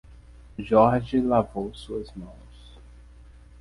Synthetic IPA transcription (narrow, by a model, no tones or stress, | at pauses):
ʒɔɾʒilavowsuɐzmɐ̃w̃s